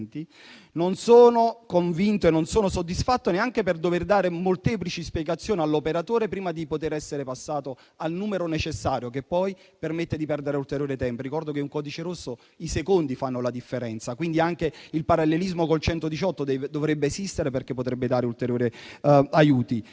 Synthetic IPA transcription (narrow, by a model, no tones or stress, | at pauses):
nt̪i | nonsoːnokoɱvint̪oenːonsoːnosod̪ːisfat̪ːoneaŋk̟eperd̪overd̪aːɾemolt̪ɛːplit͡ʃispjɛɡat̪sːjoːnialːopeɾat̪oːɾepɾiːmad̪ipot̪eɾɛsːeɾepasːaːt̪o | alnuːmeɾonet͡ʃesːaːɾjokepːɔj | permet̪ːed̪ipɛrd̪eɾeult̪eɾjoːɾet̪ɛmprikɔrd̪okeuŋkɔːd̪it͡ʃeɾosːo | isekond̪ifanːolad̪ifːeɾɛnt̪sakwind̪iaŋk̟eilpaɾalːelizmokolt͡ʃɛnt̪od̪it͡ʃɔt̪ːod̪ɛvd̪ovɾebːeːsist̪eɾeperk̟epːot̪ɾɛbːed̪aːɾeult̪eɾjoːɾiajuːt̪i